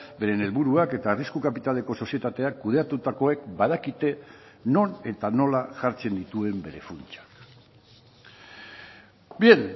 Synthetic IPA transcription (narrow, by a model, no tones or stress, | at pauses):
be̞ɾe̞ne̞lβuɾuake̞t̪ariskukapit̪ale̞ko̞so̞sje̞t̪at̪e̞akːuðe̞at̪ut̪ako̞e̞kbaðakit̪e̞ | no̞ne̞t̪ano̞laʝaɾt͡se̞nd̪it̪ue̞mbe̞ɾe̞̰funt͡ʃḁk | bien